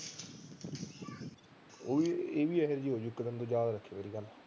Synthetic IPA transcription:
oːieːʋiːɛɦəɾd͡ʒiːoːd͡ʒʊkːəd̪ənd̪õːd͡ʒjaːd̪aːɾəkʰːeːʋaːɾiːɡəl

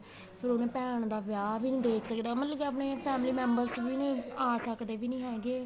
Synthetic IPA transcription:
pʰɪɾonẽːpɛːɳ̃d̪aːʋjaːʋiːnĩːd̪eːkʰsəkd̪aːmət̪ləkiap̬ɳeːpʰɛːmliːmɛ̃ːmbəɾst͡ʃʋiːnĩːaːsəkd̪eːʋiːnĩːɦɛːɡeː

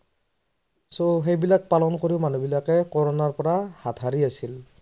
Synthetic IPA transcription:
soxejbilak̚palɔnkoɹiʊmanubilakɛkɔɹɔnaɹpɔɹahatʰɦaɹiasil

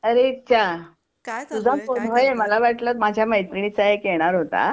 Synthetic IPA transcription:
əɾeitt͡ɕʰa | t̪ud͡zʱaponʋəjeməlaʋaʈʰlət̪mad͡ʑʱjaməjt̪ɾɳ̃it͡saɦekeɽ̃aɾɦot̪a̰

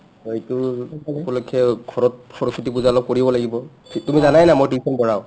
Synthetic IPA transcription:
itupɔlɔkʰɛɡʱɔɹɔt̚pʰɔɹɔsʰitibuzaɔlɔp̚koɹibɔlaɡibɔ | tumizanajnamojtisʰɔnbɔɹaʊ

